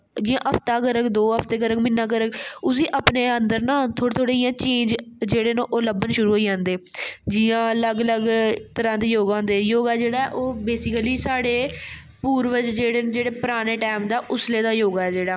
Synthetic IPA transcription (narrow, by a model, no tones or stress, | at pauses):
d͡ʒɪːãːʔəpt̪aːkəɾəkd̪oːəpʰt̪eːkəɾəkmɪnːãːk̬əɾəkʊs̬iːʔapneːənd̪əɾnãːt̪ʰoːɽet̪ʰoːɽeːijãːt͡ʃẽːnd͡ʒd͡ʒeːɽeːnõːʔoləbənʃʊɾuːɦoːiːd͡ʒãːnd̪eːd͡ʒɪːãːləɡələɡt̪əɾãːd̪eːjoːɡãːnd̪eːjoːɡaːd͡ʒeːɽaːɛ̰ʔoːbeːsɪkəliːsaːɽeː | puːɾʋəd͡ʒd͡ʒeːɽeːnd͡ʒeːɽeːpəɾaːneːʈɛːmd̪aːʔʊsleːd̪aːjoːɡaːɛːd͡ʒeːɽaː